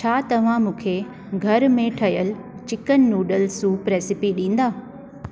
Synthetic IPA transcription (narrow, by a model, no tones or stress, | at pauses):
t͡ɕʰaːt̪ɐʋ̤ãmũːkʰe | ɡʱɐɾmẽʈʰɐɦijəl | t͡ɕɪkənːuːɖəlsũpɾeːsɪpiɗĩːn̆d̪aː